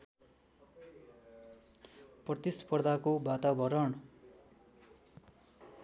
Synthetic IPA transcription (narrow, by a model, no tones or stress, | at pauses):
prʌt̪ispʌrd̪ʱakobat̪abʌɾʌɳ